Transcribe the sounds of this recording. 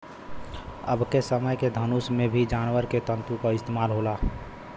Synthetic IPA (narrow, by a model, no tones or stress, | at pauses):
ə̰bkesəməjked̪ʱənusmẽbʱid͡ʒaːnwəɾket̪ə̃nt̪ukaɪst̪eːmaːlɦoːla